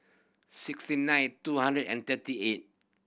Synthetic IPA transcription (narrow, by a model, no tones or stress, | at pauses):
sɪkstinãjnt̪uhãndɹədɛ̰̃nt̪ətiet̚